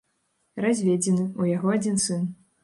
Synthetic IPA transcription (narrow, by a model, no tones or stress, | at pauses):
razʲvʲed͡zʲɛnɨujaɣɔad͡zʲinsɨn